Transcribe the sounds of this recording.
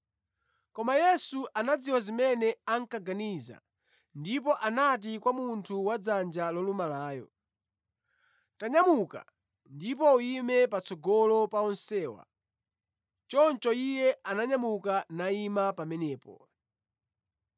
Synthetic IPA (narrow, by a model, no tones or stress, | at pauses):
kɔmajɛsuʔanad͡ziwazimɛnɛaŋ̩kaɡaniza̰ | ndip̬ɔʔanat̬ikwamuntʰuwad͡zand͡ʒalɔlumalaːjɔ̰ | taɲamuka̰ | ndip̬ɔuimɛpat͡sɔɡɔlɔpaɔnsɛːwa̰ | t͡ʃɔnt͡ʃɔijɛanaɲamukanaimapamɛnɛːpɔ